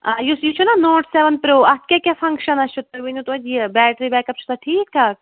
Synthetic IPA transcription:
ajusjit͡ʃʰunanoːʈseʋənpɾoːɐt̪kʲaːkʲjaːfʰɐ̃ŋkʃɐnɐst͡ʃʰut̪ːɐɾʋinut̪uɐd͡ʒjibɛːʈɾibɛːkɐpt͡ʃʰu̥t̪ʰaʈʰiːk̚t̪ʰaːk̚

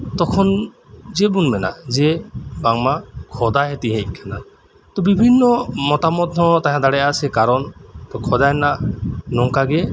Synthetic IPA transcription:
t̪ɔkʰɔn | d͡ʒɛbunmɛna̰ʔd͡ʒɛbaŋmakʰɔd̪aɦɛt̪iɦɛc̚kʰana | t̪ɔbibʱinːɔmɔt̪amɔt̪̚ːɔt̪aɦãd̪aɽɛjasɛkaɾɔnt̪ɔkʰɔd̪ajnaʔnɔŋkaɡɛ

